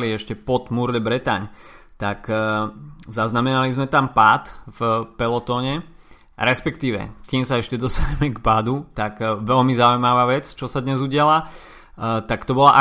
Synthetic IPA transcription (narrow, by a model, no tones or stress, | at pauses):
liɛʃcɛpɔt̪muɾd̪ɛbɾɛt̪a̰ɲt̪ak | zaznamɛnalizmɛt̪ampaːt̪vpɛlɔt̪ɔːɲɛ | ɾɛspɛkt̪iːʋɛ̰kimsaɛʃcɛd̪ɔst̪aɲɛmɛɡbaːd̪ut̪akʋɛlmizaujmaʋaːʋɛt͡st͡ʃɔsad̪ɲɛzuɟɪala | t̪akt̪ɔbɔla̰ʔa